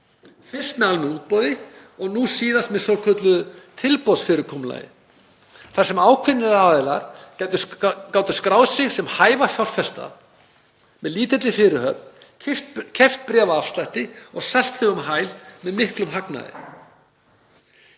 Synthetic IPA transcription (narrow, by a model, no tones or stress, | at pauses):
fɪr̥st̪malmɪuːt̪̚pɔwðɪ | ɔɣnusiːðast̪̚mɛðsowɾkʰœt̪lʏðʏt̪ʰɪlpɔsfɪɾɪɾkʰɔmla̰jɪ̰ | θasɛmaːwkʰvɪnːɪɾaðɪla̰ɾ̥cajt̪ʏkaːwt̪ʏskɾawðsɪɣsɛmhaːjvafjawr̥fɛst̪a̰ | mɛðliːt̪ɛt̪lɪfɪːɾɪhœp̚nʰ | ft̪cʰɛft̪̚pɾɛːvafst̪lajht̪ɪɔɣsal̥t̪fɪɣʏmɦajlmɛðmɪhklʏmɦakna̰ðɪ̰